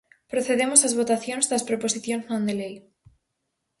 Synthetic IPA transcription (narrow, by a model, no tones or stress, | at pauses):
pɾoθeðemosazβot̪aθjõnzðɐspɾoposiθjõŋznõnd̪elej